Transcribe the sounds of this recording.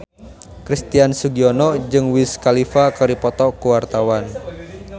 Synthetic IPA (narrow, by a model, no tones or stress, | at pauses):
kɾist̪iansuɡiɔnɔd͡ʒɨŋwiskalifakəɾipɔt̪ɔkuwart̪awan